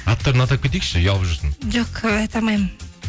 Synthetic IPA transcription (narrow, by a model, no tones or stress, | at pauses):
ɑt̪ːəɾənɑt̪akʲʰe̞t̪ekʃɪjɑlˠəpʒəɾsənʒoqɑjt̪ɑmɑjmən